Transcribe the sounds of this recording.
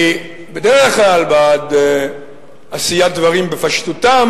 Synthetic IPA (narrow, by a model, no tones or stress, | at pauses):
bed̪eʁeχχlalbad̪ | asijat̪̚d̪vaʁimbefaʃt̪utam